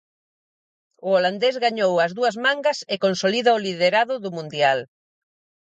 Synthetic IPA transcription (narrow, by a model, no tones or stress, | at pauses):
ʊoland̪ezɣaɲowɐzðuɐzmãŋɡɐsekonsoliðaoliðeɾaðʊðʊmũnd̪jal